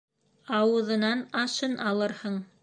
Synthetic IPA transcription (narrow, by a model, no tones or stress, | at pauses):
ɑwɤ̆ðɤ̆nɑnɑʃɤnʔɑlˠɤɾhɤɴ